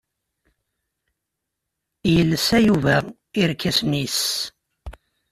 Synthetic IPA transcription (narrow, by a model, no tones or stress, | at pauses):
jəlːəsæjuvæ | iɾkːæsnis